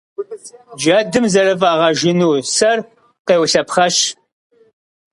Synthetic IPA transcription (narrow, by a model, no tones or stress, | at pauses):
d͡ʒɐːdɨmzɐrɨvaːʁɐʒɪnuːsɐr | qeːwɬɐpχɐɕ